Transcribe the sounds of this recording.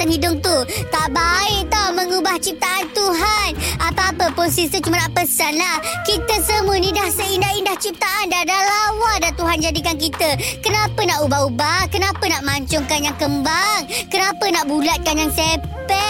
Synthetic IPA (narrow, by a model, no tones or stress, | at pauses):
anhidʊŋt̪ut̪aʔbaɪʔt̪awməŋubaht͡ʃip̚t̪aʔant̪uɦanapaːpəposisət͡ʃumanaʔpəsanlahkit̪əsəmuənĩdahsəindahindaht͡ʃip̚t̪aʔandadalawadant̪uɦand͡ʒadikank̬it̪əkənapənaʔubahubahkənapənaʔmaɲt͡ʃʊŋkanjaŋkəmbaŋkənapənaʔbulat̪̚kanjaŋsepɛ